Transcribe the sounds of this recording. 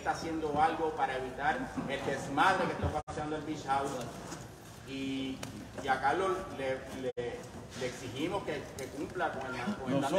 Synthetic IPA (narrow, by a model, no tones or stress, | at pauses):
t̪aːsje̞nd̪o̞alɣo̞paɾae̞βit̪aɾeld̪esmaðɾeke̞st̪okapasjand̪oelbiʃhawða | iː | akalolele | leːksihimo̞skeke̞kumplakoŋeakoŋea